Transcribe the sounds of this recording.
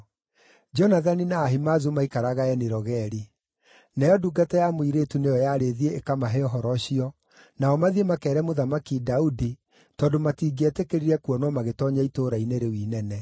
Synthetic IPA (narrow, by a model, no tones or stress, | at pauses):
d͡ʒɔnaðaninaːɦimazumaikaɾaɣaɛneɾɔɣɛɾi | najɔduːɡatɛjamoiɾetunejɔjaɾeðieːkamaɦɛɔɦɔɾɔɕiɔ | naɔmaðiemakɛːɾɛmoðamakidaudi | tɔːndomatiːɡɛtekeɾiɾɛkuɔnɔmaɣetɔɲaitoːɾaineɾewiːnɛnɛ